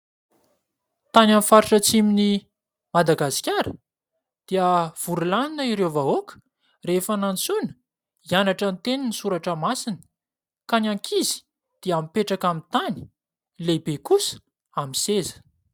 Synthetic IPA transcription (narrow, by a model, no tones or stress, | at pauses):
t̪ananfaɾiʈ͡ʂət͡simini | mad̪aɡasi̥kʲaɾə | d̪̥iəv̥uɾulaninəiɾewvaokə̥ | refanant͡sunə̥ | ianaʈ͡ʂənt̪eninisuɾaʈ͡ʂəmasinə̥ | kanaŋkʰizi̥ | d̪̥iampeʈ͡ʂakamit̪ani̥ | lebekusə̥ | amisezə̥